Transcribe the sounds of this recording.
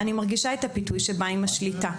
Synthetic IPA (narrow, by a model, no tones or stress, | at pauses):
animaʁɡiʃaethapitujʃebaimaʃlita